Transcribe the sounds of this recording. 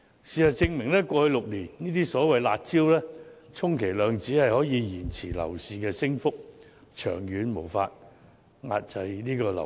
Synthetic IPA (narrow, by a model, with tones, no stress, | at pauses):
siː˨˩sɐ˨t͡sɪ˧ŋmɪ˨˩ŋlɛː˥kʷɔː˧hɵ˧ɥlʊ˨k̚liː˨˩nniː˥t̪iː˥sɔː˨˥wɐ˨˧jlaː˧t̚t͡siː˥wlɛː˥ | t͡sʰʊ˥ŋkʰe˨˩jlœː˨˧ŋt͡siː˨˥hɐ˨jhɔː˨˥jiː˨˧jiː˨˩nt͡sʰiː˨˩lɐ̰˨˩wsiː˨kɛː˧sɪ˥ŋfʊ˥k̚ | t͡ʃʰœ̰ː˨˩ŋjyː˨˧nmo˨˩wfaː˧t̚ | ŋa̰ː˧t̚t͡sɐ˧jniː˥kɔː˧lɐ̰˨˩